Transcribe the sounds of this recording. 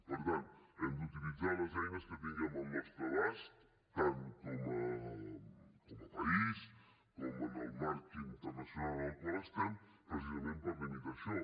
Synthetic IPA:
pəɾt̪ant̪ɛmd̪ut̪ilid͡zaɾləzɛjnəskət̪iŋɡəmalnɔst̪ɾoɛst̪ː | ankomə | koməpais | komənəlmaɾkint̪əɾnasjunalˠlpoɛst̪an | pɾəsizamẽnpəɾlimit̪asɔ

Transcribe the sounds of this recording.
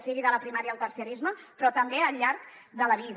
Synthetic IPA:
siɣiðələpɾimaɾjəəlˠt̪əɾsjəɾizməpɾɔt̪əmbeəʎːaɾkd̪ələβ̞ið

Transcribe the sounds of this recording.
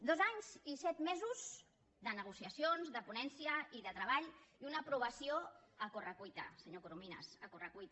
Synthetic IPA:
d̪ozaɲzisɛt̪mezuz | d̪ənəɣ̞usiəsionzðəpunɛnsjiəiðət̪ɾəβaʎiunəpɾuβəsioəkorəkujt̪ə̰səɲokuɾuminə̰səkurəkujt̪

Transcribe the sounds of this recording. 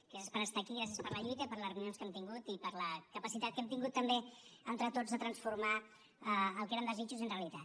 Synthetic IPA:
kezespəɾəst̪aːkiɣɾas̬iəspəɾləʎujt̪əipəɾlərnionskɛmt̪iŋɡut̪ipəɾləkəpəsit̪at̪̚kɛmt̪iŋɡut̪ːəmbeənt̪ɾət̪ozðət̪ɾənsfuɾma | əːlˠkeɾənd̪əzit͡ʃuzənreəlit̪at̪

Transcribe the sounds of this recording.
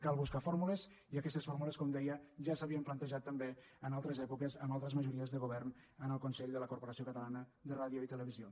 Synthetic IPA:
kalˠβuskafoɾmuləz | iəkɛst̪əsfoɾmuləskɔmd̪ɛjəʒasəβiəmplənt̪əʒat̪ːəmbe | ənalˠt̪ɾəzɛpukəzəmalˠt̪ɾəzməʒuɾiəzðəɣuβɛrn | ənəlˠkunsɛʎd̪ələkuɾpoɾəsiokət̪əlanəðəraðjoit̪ələβ̞izio

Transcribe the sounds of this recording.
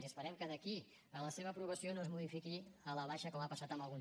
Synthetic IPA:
ziəspəɾɛmkəðəki | ələseβəpɾuβ̞əsionozmuðifikiələβ̞aʃəkomapəsat̪əmbəlˠɣun

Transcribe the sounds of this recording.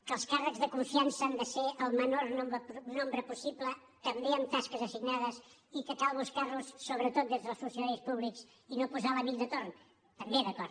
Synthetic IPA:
kəlˠskarəkzðəkuɱfiansəand̪əseʔəlˠmənoɾnompnombɾəpusiplə | t̪əmbeəmt̪askəzəsiɡnaðəsikəkalˠβəlˠskarusːoβɾət̪ot̪̚d̪ezðəlˠsusəðaispuβliks | inopuzaləβiʎd̪ət̪orn | t̪əmbeðəkɔɾ

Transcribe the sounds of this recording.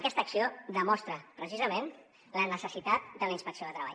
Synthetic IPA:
kɛst̪əksiod̪əmɔst̪ɾəpɾəsizəmen | lənəsəsit̪at̪̚d̪ələinspəksioðət̪ɾəβa̰

